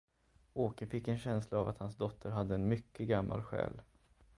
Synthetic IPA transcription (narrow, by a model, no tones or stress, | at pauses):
oːkəfɪkːɛnɕɛnslaːvat̪hansd̪ɔt̪ʰːəɾɦad̪ːəɛnmʏkːəɡamːʔa̰lɧɛ̰ːl